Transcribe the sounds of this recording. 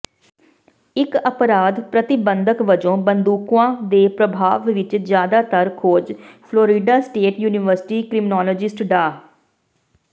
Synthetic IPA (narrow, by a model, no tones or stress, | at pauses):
ɪkəpɾaːd̪pɾət̪ɪbənd̪əkʋəd͡ʒõːbənd̪uːkʋãːd̪eːpɾəbʱaːʋʋɪt͡ʃzjaːd̪aːt̪əɾkʰoːd͡ʒpʰloːɾiːɖaːsʈeːʈjuːnɪʋəɾsɪ̥ʈiːkɾɪmɪnɔːlɔːd͡ʒɪsʈɖaː